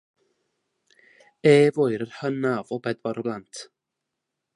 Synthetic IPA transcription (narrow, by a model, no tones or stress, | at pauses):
eːvoɨɾərhənavɔbɛdwɔɾɔblˠantʰ